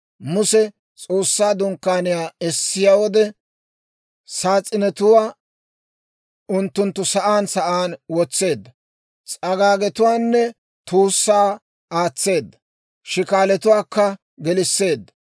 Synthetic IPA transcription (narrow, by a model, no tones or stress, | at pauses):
mʊsɛ | t͡sʼoːsːaːd̪ʊŋkːaːnɪjaːɛsːɪjaːwɔd̪ɛ | saːt͡sʼːɪnɛt̪ʊwaː | ʊnt̪ːʊnt̪ːʊsɐʔaːnsɐʔaːnwɔt͡sːe̞ːd̪ːɐ | t͡sʼɐɡaːɡɛt̪ʊwaːnːɛ | t̪uːsːaː | aːt͡sːe̞ːd̪ːɐ | ʃɪkaːlɛt̪ʊwaːkːɐ | ɡɛlɪsːe̞ːd̪ːɐ̥